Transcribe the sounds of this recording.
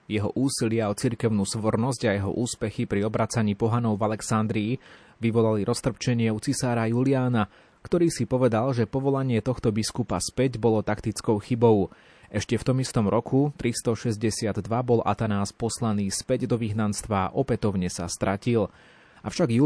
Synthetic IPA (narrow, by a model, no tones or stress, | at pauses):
jɛɦɔʔuːsilɪaɔt͡siɾkɛʊnuːsʋɔɾnɔsɟajɛɦɔ̰ʔuːspɛxipɾiɔbɾat͡saɲiːpɔɦanɔʊvalɛksand̪ɾiː | ʋiʋɔlaliɾʔɔst̪r̩pt͡ʃɛɲɪɛut͡sisaːɾajuliaːna | kt̪ɔɾiːsipɔʋɛd̪alʒɛpɔʋɔlaɲɪɛt̪ɔxt̪ɔbiskupa̰spɛɟbɔlɔt̪akt̪it͡skɔʊxibɔʊ | ɛʃcɛft̪ɔmist̪ɔmɾɔkʰut̪ɾist̪ɔʃɛzɟɛsɪad̪d̪ʋabɔlʔa̰t̪anaːspɔslaniːspɛɟd̪ɔʋiɦnanst̪ʋa̰ːʔɔpɛt̪ɔʊɲɛsa̰st̪ɾʔacil | ʔafʃaɡju